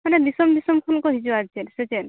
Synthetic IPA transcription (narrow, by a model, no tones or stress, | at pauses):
manebisɔmbisɔmkʰulkɔɦid͡ʒuad͡ʒensed͡ʒen